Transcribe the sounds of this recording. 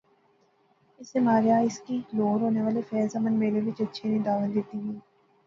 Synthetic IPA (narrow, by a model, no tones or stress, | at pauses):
ɪsemaːɾjaːɪskiloːɾɦoːneʋaːlefɛːzamənmeːɾeʋɪt͡ʃɐtːʃʰenĩd̪aːʋəld̪eːt̪iɦɛ̃ː